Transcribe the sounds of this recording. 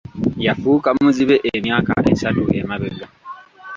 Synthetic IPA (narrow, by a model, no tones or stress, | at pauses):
jafuːkamuziβe̞ʔemjaːka̰ʔḛsatuʔemaβeɡa